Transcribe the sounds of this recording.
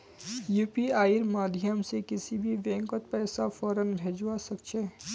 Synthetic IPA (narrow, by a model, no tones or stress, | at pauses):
juːpiaːjiɾmaːd̪ʱjəmsekɪsibʱiʋɛ̃ːŋkət̪pɛːsafɔːɾənbʱeːd͡ʒwasɐkt͡ʃʰeː